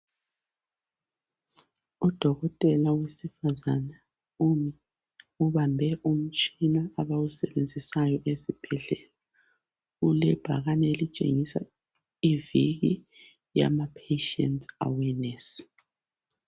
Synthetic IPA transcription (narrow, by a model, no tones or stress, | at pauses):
ud̥ʱɔɣɔtʼɛlawesifazana | umi | uβambʱɛʔum̩t͡ʃʼinaaβawusɛβend͡zʱisajɔʔesib̥ʱɛɮɛla | ulɛb̥ʱa̰ɣanelit͡ʃʼḛŋisa̰ | iviɣi | ja̰mapʰeʃɛ̰ntʰa̰wɛnɛs